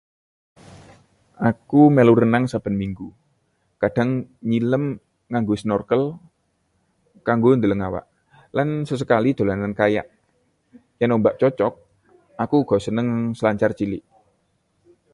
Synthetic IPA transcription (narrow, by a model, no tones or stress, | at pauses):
ʔakumeluɾənaŋsab̥ə̤nmiŋɡu | kaɖ̥a̤ŋɲiləm | ŋaŋɡosənɔrkəl | kaŋɡond̪ələŋawa̰ʔ | lansəs̬əkalid̪̥o̤lanankaja̰ʔ | janombaʔt͡ʃɔt͡ʃɔk̚ | ʔakuɡ̥ɔ̤sənəŋsəlaɲt͡ʃart͡ʃilɪʔ